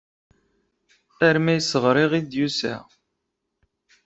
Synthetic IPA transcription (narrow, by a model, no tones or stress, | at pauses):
æɾmæjsəʁɾˤiʁid̪jusæ̰